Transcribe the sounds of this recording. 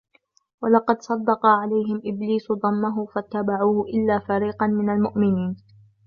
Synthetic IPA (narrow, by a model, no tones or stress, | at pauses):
wɑlɑqɑd̪sˤɑd̪ːɑqɑʕalajɦɪmʔɪbliːsd̪ˤɑmːaɦʊfat̪ːabaʕuːhʔɪlːaːfaɾiːqɑnmɪnalmʊʔmɪniːn